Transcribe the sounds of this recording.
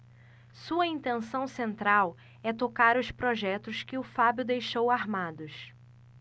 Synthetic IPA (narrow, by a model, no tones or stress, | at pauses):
suɐĩnt̪ẽnsɐ̃w̃sẽnt̪ɾaw | ɛt̪okaɾʊspɾoʒɛt̪ʊskɪʊfabjʊd̪ejʃowaɾmad̪ʊs